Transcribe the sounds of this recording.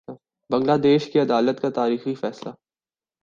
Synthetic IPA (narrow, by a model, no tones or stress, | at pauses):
bɐ̃ŋɡlaːd̪eːʃkiɐd̪aːlət̪kat̪aːɾiːxifɛːsla̰